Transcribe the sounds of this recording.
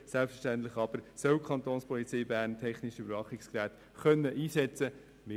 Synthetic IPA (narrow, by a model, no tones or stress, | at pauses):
sælpfəʃtæntlɪχɑb̥əɾsœwkʰχɑnt̪oːnspʰɔlit͡siːbæːɾntʰɛχniʃybəɾvɑχɪkskræːt | χœnːəʔiːsɛt͡sə | mɪ